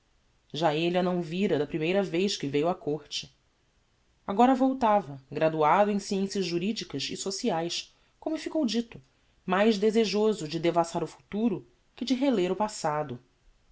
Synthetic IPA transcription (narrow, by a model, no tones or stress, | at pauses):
ʒaelianɐ̃w̃viɾɐd̪ɐpɾimejɾɐvejʃkɪvejuɐkoɾt͡ʃɪ̥ | aɡɔɾɐvowt̪avɐɡɾad̪uad̪ʊẽj̃siẽsiɐzʒuɾid͡ʒikɐʃɪsosiajʃ | kõmʊfikowd͡ʒit̪ʊ | majʒd̪ezeʒozʊd͡ʒɪd̪evasaɾʊfu̥t̪uɾʊ | kɪd͡ʒɪɦeleɾʊpasad̪ʊ